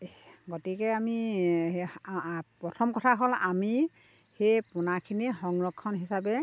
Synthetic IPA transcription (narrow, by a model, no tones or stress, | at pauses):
ɡɔtikɛami | pɹɔtʰɔmkɔtʰaɦolami | hejpʊnakʰinixɔŋɹɔkʰːɔnɦisabɛ